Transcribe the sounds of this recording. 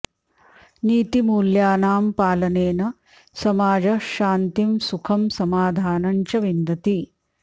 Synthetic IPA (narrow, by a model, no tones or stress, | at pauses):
niːt̪imuːljaːnaːmpaːlɐneːnɐ | sɐmaːd͡ʒɐʃaːnt̪imsukʰɐmsɐmaːd̪ʱaːnɐɲt͡ʃɐʋind̪ɐt̪i